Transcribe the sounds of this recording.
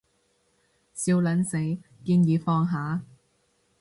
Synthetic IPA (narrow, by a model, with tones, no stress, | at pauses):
siː˧wlɐ˨˥nse˨˥jkiː˧njiː˨˧fɔː˧ŋɦaː˨˥